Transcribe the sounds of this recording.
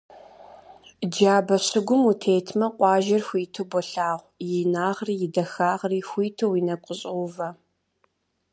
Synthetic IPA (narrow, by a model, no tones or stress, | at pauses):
d͡ʒaːbɐɕɨɡʷʊmutʰeːtʰmɐqʷʼɑːʒɐrxʷiːtʰɨbɔɬaːʁʷjɪnaːʁriːjɪdɐxaːʁriːxʷiːtʰɨwinɐkʷʼəɕʼowvɐ